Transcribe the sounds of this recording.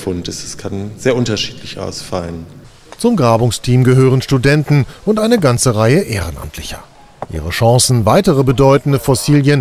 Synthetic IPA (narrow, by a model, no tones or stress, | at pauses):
fʊntɪsɛ̥skʰanz̥eːɐʔʊntɐʃi̥ːtʰlɪçʔa̰ʊsfalən | t͡sʊmɡʁaːbʊŋstʰiːmɡəɦøːʁ̞ənʃtudɛntn̩ʔʊntʔaɪnəɡant͡səʁaɪəʔḛːʁ̞ənʔa̰mtʰlɪçɐ̰ | ʔḭːʁ̞əʃɑ̃ŋsn̩vaɪtəʁəbədɔʏtn̩dəfɔsiːljən